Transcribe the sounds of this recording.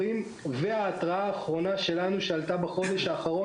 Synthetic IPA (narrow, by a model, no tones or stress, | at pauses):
im | veaːt̪ʁaaːχʁo̞naʃe̞lanuʃealt̪abaχo̞d̪eʃaːχaʁo